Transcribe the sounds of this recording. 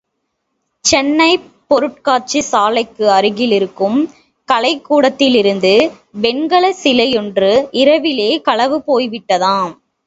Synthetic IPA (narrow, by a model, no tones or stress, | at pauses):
t͡ʃɛnːɐɪ | pɔɾɯʈ̚kaːɾt͡ʃisaːlɐɪkːɯɐɾɯɣɪlɪɾɯkːɯm | kɐlɐɪkːuːɽɐt̪ːɪlɪɾɯnd̪ɯ | ʋɛnɡɐɭɐsɪlɐjɔndrɯɪɾɐʋɪleːkɐɭɐʋɯpoːjʋɪʈːɐðãː